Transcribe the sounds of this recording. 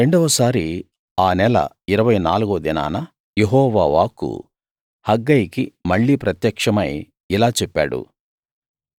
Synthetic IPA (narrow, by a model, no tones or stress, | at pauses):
ɾe̞ɳɖɐʋɐsaːɾi | aːnɛlɐ̰ | iɾɐʋɐjnaːluɡuʋɐd̪ina̰ːnɐ | jeɦɔːʋa̰ːʋa̰ːkṵ | hɐɡːɐjkimɐɭːiːpɾɐt̪jɐkʂɐmɐj | ilaːt͡ʃɛpːa̰ːɽṵ